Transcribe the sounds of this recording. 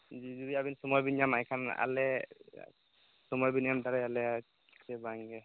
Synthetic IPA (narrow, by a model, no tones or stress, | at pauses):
zizudiabinsɔmɔjbinjamajkʰana̰lɛ | sɔmɔjbinjamdaɾɛalɛ | sɛbaŋɡɛ